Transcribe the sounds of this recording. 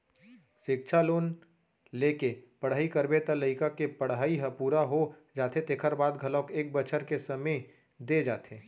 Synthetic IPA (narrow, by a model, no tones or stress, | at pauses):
ʃɪk̚ʃʰaloːn | leːkepəɽ̤ɦaːikəɾbet̪aləɪkakepəɽ̤aːiɦəpuːɾaɦod͡ʒaːt̪et̪eːkʰəɾbaːd̪ɡʱələkeːk̚bət͡ʃʰəɾkesəmẽ | d̪ed͡ʒaːt̪ʰeː